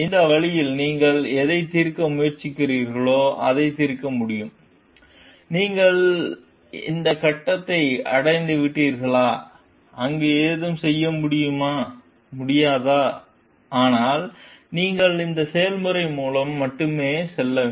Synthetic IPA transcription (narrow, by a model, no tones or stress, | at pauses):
ɪnd̪ɐʋɐɭɪjɪlniːŋɡɐɭɛðɐɪt̪iɾkːɐmʊjɐɾt͡ʃɪkːɪriːɾɣɐɭoːɐðɐɪt̪iɾkːɐmʊɽɪjɯm | niːŋɡɐɭ | ɪ̰nd̪ɐkɐʈːɐt̪ːɐɪɐ̰ɽɐɪnd̪ɯʋɪʈːiːɾɣɐɭaː | ʔɐŋɡeːeːðɯmsɛjːɐmʊɽɪjɯmaː | mʊɽɪjaːðaː | ʔaːnaːlniːŋɡɐɭɪnd̪ɐsɛjɐlmɯɾɐɪmuːlɐmːɐʈːɯmeːsɛlːɐ